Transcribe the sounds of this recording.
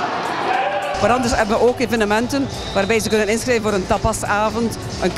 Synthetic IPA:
ʋaɾɑndəɹshɛbənʋəʔoːkeːvənəmɛntən | ʋaːrbɛjzəkɵnənɪnskreːvənoːɾəntɑpɑsaːvənt | ʔənk

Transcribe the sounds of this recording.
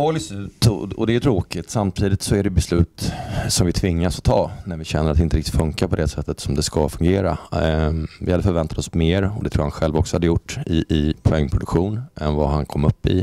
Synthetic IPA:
ɔlsɔd̪ɛːjʏt̪ʰɾoːkɪt̪samt̪ʰiːd̪ɪt̪sɔæɖɛjbɛslʉ̟ːt̪sɔmvɪt̪ʰvɪŋːasɔt̪ʰɑːnæɾvɪɕɛnːəɾat̪ɪnt̪əɾɪk̚t̪ɪt̪fɵŋkapʰɔd̪ɛsɛt̪ːət̪sɔmd̪ɛskɑfɵŋɡeːɾa̰ | vɪhad̪ːəfœɾvɛnt̪at̪ɔsmeːɾɔd̪ɛt̪ʰɾuːɾhanɧɛlvɔksɔhad̪ːəjʊʈːɪːpʰʊɛŋːpʰɾʊd̪ɵkɧuːnɛnvaɦankʰɔmːɵpːɪ̰

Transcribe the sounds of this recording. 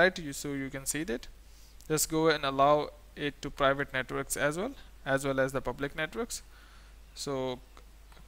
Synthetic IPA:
aɪʈjsoːjukɛ̃nsiːd̪æʈ | d͡ʒʌsɡoːɛ̃nɖəlaʊ | ɪʈːupɾaɪʋəʈneʈʋəɾksæzwɛl | æzʋɛlæzd̪əpʌblɪkneʈʋəɾks | soː

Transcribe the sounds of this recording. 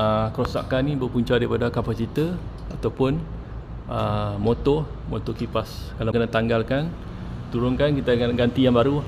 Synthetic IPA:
əkəɾosa̰ʔkanĩbərpuɲt͡ʃadaɾipadakapasit̪ə | at̪awpʊn | əmot̪ɔ | mɔt̪ɔkipaskalakənat̪aŋɡalkan | t̪uɾʊŋkankit̪aɡanɡant̪ijaŋbaɾu

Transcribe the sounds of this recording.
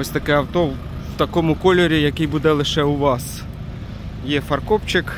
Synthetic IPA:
ɔsʲt̪ɐkɛɐwt̪ɔ | wt̪ɐkɔmʊkɔlʲɔɾʲijɐkɪjbud̪ɛlˠɪʃɛʊʋɑs | jɛfɐrkɔpt͡ʃɪk

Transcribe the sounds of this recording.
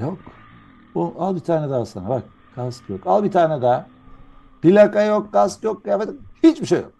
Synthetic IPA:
jok | oalˠbit̪ʰaːnɛd̪ɛasanabak̚ | kaskjokalˠbit̪ʰaːnɛd̪a | pilʲakajokːaskjok̚ːafet̪hit͡ʃbiʃejo̰k̚

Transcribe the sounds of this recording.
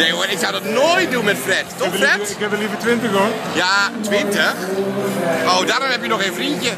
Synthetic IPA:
nejʋoɾɪksawdɔtnoːjt̚dunmɛtfrɛttɔxrɛtɪkɛpəlivətʋɪntəxon | jatʋɪntəx | ʔowdaːɾɔmɦɛpjənɔxeːnfrintjə

